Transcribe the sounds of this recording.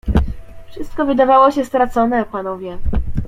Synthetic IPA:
fʂɘst̪̚kɔvɘd̪avawɔɕɛst̪ɾat̪sɔnɛpanɔvʲjɛ

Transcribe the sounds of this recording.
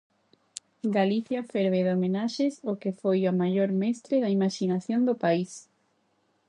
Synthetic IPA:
ɡaliθjɐfeɾβeðomenaʃɪsokefojamaʎoɾmɛst̪ɾɪðɐimaʃinaθjond̪ʊpais

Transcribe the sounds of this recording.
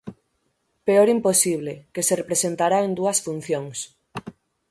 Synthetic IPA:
peoɾimposiβ̞lekeserepɾesent̪aɾaend̪uɐsfun̟θjoŋs

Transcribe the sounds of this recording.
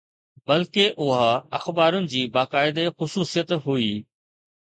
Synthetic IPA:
bɐlkeʔʊɦaɐxbaːɾʊnɪ̆d͡ʑiːbaːkaːɪd̪exʊsuːsijət̪ɦuiː

